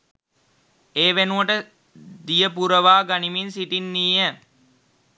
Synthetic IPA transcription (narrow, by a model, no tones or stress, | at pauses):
eːʋenuʋəʈə | d̪ijəpuɾəʋaːɡaniminsiʈinːiːə